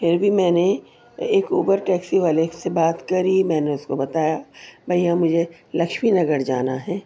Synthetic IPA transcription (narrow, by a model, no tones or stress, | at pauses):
pʰɪɾbʱimɛ̃ːne | eːkuːpəɾʈɛːksiʋaːlesebaːt̪kɐɾimɛ̃ːneʊskobɐt̪aːjabʱɐijãmʊd͡ʒʱe | lɐkʃminɐɡəɾd͡ʒa̰ːnaɦɛː